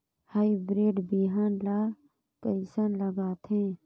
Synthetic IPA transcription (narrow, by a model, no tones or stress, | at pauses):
haːibɾeːɖbiɦaːnlaː | kəɪsənləɡaːt̪ɦɛ̃ː